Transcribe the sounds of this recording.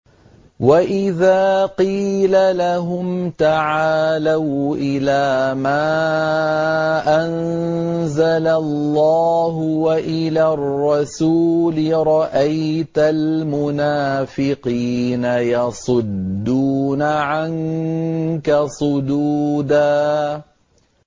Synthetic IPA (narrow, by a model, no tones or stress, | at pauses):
waʔɪðaːqiːlalaɦʊmmt̪aʕaːlawʔɪlaːmaː | ʔan | zalalːɑːɦʊwaʔɪlaːrːɑsuːlɪɾˤɑʔajjt̪almʊnaːfɪqiːnajɑsˤʊd̪ːuːnaʕaŋ | kasˤʊd̪uːd̪aː